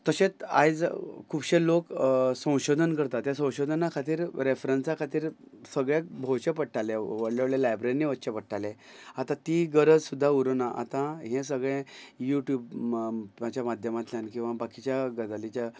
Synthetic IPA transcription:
t̪əɕet͡sa̰jd͡zkʰuːbɕeloksə̃w̃ɕod̪ʱənkəɾt̪at̪jasə̃w̃ɕod̪ʱənakʰat̪̬iːɾɾefɾənsakʰat̪iːɾsəɡɭjek̚bʱoɕepəʈ̚ʈaleʋəɽleʋɽlelajbɾeɾiniʋətːɕepəʈʈalẽat̪ãt̪iːɡəɾəd͡zsud̪ʱːauɾənaʔa̰t̪ãɦẽs̬əɡɭẽjuʈjuːb | mat͡ɕjamad̪ʱjəmat̪ljankĩw̃ʋabakit͡ɕjaɡəd̪alit͡ɕja

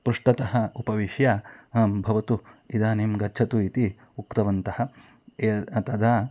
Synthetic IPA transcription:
pɾuʂʈɐt̪ɐɦɐ̆upɐʋiʃjaːɐːmbʱɐʋɐt̪uid̪aːneːmɡɐdd͡ʒt͡ʃʰɐt̪uit̪i | ukt̪ɐʋɐnt̪ɐhɐ̆ | eːɐt̪ɐd̪aː

